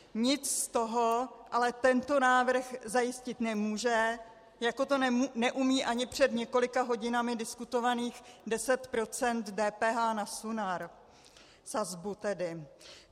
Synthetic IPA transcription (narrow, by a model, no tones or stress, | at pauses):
ɲɪt͡sst̪o̞ɦoʔalɛt̪ɛnt̪o̞naːvr̩xzajɪscɪt̪nɛmuːʒɛ | jako̞t̪onnɛʔumiːʔaɲɪpr̝̥ɛdɲɛko̞lɪkaɦo̞ɟɪnamɪdɪskut̪o̞vaniːxdɛsɛt̪pɾo̞t͡sɛnt̪dɛːpɛːɦaːnasunaɾ | sazbut̪ɛdɪ